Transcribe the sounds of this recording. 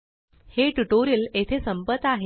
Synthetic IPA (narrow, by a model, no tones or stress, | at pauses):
heʈuʈoɾiːlet̪ʰesəmpət̪ːaɦe